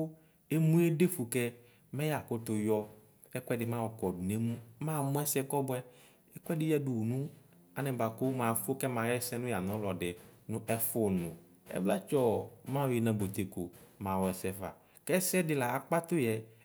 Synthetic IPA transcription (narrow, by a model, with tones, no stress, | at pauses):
e˦mũ˦e˦de˦fu˨kɛ˦ | mɛ̃˦ja˨kʊ˦t̪ʊ˨jɔ˦ | ɛ˦kʷɛ˦dɪ˨mã˦wɔ˨kɔ˨ne˦m˦mã˦mʊ̃˦ɛ˦sɛ˦kɔ˦bʊ˦ɛ˦ | ɛ˦kɛ˦dɪ˦jɛ˦du˨wu˨nũ˦ | a˨nɛ̃˨ba˨kʊ˦mã˨fʊ˦kɛ˦mã˨jɛ˦sɛ˦nʊ̃˦ja˨nɔ̃˦lɔ˨dɪ˨nʊ̃˦ʔɛ˦fʊ˦nʊ̃˨ | ɛ̰˦bla˦t͡ʃɔ˨mã˦˨ji˨nã˨bo˨t̪e˨kʊ˨mã˨wɔ˨ɛ˨sɛ˦va̰˨ | kɛ˦sɛ˦dɪ˨la˨a˨k͡pa˦t̪ʊ˦jɛ˨